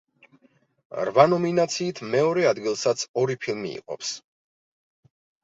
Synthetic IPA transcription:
ɾvanɔminat̪sʰiːt̪ʰmɛɔɾɛad̪ɡilˠsat̪sʰɔɾipʰilˠmḭḭqʼɔ̰ps

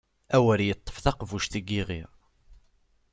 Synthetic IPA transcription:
æwəɾjət̪ˤːə̥fθɑqvuʃθəɡːiʁiʁ

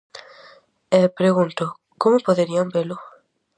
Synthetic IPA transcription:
epɾeɣũnt̪ʊ | komʊpoðeɾiambelʊ

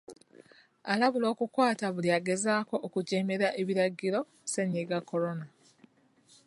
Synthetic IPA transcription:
alaβulo̞ːkukwaːtaβuliaɡe̞zaːko̞ʔːkuɟe̞ːme̞ɾaʔe̞βiɾaɡːiɾo̞ | seɲiɡakʰːo̞ɾo̞na

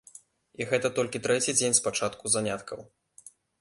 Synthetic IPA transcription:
iɣɛt̪ɐt̪ɔlʲkʲit̪ɾɛt͡sʲid͡zʲenʲspat͡ʂat̪kuzanʲat̪kʰɐw

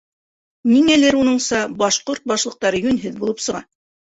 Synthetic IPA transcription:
niŋælɘɾunɤɴsɑbɑʃqoɾt̪̚bɑʃlˠɤ̆q̚t̪ɑɾɤjʉnɦɘðbulˠɤpsɤ̆ʁɑ

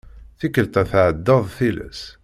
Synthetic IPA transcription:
θikːəlt̪æθʕəd̪ːɑðˤθilə̰s

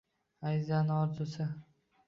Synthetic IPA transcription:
ajzanɒɾzʊsɪ

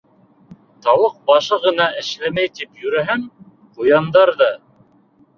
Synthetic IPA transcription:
t̪ɑwɤq̚bɑʃɤʁɤ̆nɑʔɘ̆ʃlæmæjt̪ipjɵ̆ɾæɦɘŋ | qujɑnd̪ɑɾðɑ

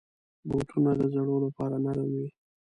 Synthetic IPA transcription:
boʈʰunad̪əzaɽolapɑɾanaɾawi

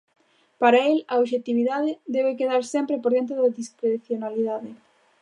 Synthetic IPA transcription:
paɾaelaoβʃet̪iβiðaðɪd̪ɛβekeðaɾsɛmpɾepoɾðent̪ɾoðaðiskɾeθjonaliðaðɪ

